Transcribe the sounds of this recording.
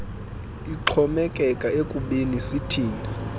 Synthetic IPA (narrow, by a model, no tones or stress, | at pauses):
iǃʰɔmɛkʼɛkʼaekʼuɓenisitʰiːni